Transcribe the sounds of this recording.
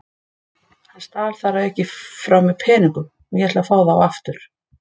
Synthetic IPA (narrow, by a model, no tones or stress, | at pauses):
hast̪aːlθaɾaðɛhcɪfɾawmɛðpʰɛːniŋkʏm | mjɛt̪lafaːwðaːwaft̪ʏɾ̥